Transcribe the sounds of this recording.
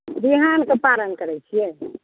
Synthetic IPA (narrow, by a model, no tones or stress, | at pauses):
b̪iɦankepalənkəɾɛt͡ʃʰijɛ